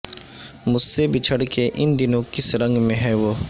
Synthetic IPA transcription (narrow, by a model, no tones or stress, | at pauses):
mʊssebʱit͡ʃʰəɽkeʔɪnd̪ɪnõkɪsɾɐ̃ŋɡmẽɦɛːʋoː